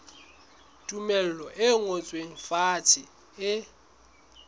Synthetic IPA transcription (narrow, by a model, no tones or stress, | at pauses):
tʼumɛl̩lɔʔɪŋot͡sʼweŋ̩fatʰɪ | ɪ